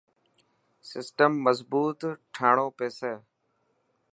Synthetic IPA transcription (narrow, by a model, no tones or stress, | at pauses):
sɪsʈəmːəzbuːt̪ʈʰaːɳõːpeːseː